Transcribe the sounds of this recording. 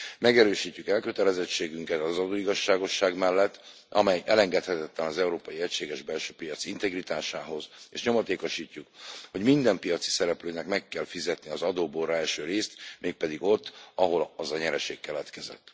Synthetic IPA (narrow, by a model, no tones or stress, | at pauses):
mɛɡɛɾøːʃiːcːykɛlkø̞t̪ɛlɛzɛt͡ʃːeːɡyŋkɛt̪ɒzɒd̪oːiɡɒʃːaːɡo̞ʃːaːɡmɛlːɛt̪ː | ɒ̰mɛjʔɛlɛŋɡɛt̪hɛt̪ɛt̪lɛnɒzɛuɾoːpɒjiɛcʃeːɡɛʒbɛlʃøːpijɒt̪sint̪ɛɡrit̪aːʃaːɦo̞zḛːʃɲo̞mɒt̪eːko̞ʃiːcːukho̞ɟmind̪ɛmpijɒt̪si̥sɛɾɛpløːnɛkmɛkːɛlfizɛt̪niɒzɒd̪oːboːrɾɒɛlʃøːɾeːst̪meːk̚pɛd̪iɡo̞t̪ːɒɦo̞lɒzɒɲɛɾɛʃḛːkːɛlɛt̪kɛzɛ̰t̪ː